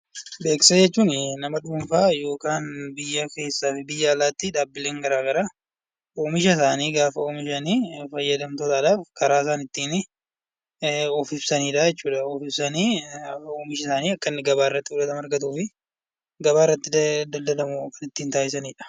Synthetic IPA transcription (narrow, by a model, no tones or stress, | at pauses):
be̞ːkɪ̥sɐd͡ʒɛt͡ʃːuːnnɐmɐᶑuːmfaːjo̞ːkaːnbɪjːɐke̞ːsːaːfɪbɪjːɐːlaːt̪ːiːᶑ̪aːbːɪle̞ːŋɡɐɾaːɡɐɾa | ʔoːmɪʃɐsaːniːɡaːfɐoːmɪʃɐniːfɐjːɐd̪ɐmt̪ɔt̪aːᶑaːfkʰɐɾaːɪsaːnɪt̪ːiːn | ɔːfɪbsɐniːᶑajɛt͡ʃːuːᶑɐɔːfɪbsɐniːoːmɪʃ̬ɐsaːniːɐkːɐnːɪɡɐbaːɪrːɐt̪ːɪʊlɐt̪ɐmɐɾɡɐt̪uːfɪ | ɡɐbaːɪrːɐt̪ːɪd̪ɐld̪ɐlɐmʊkːɐnɪt̪ːiːnt̪aːjɪs̬ɐniːᶑɐ̥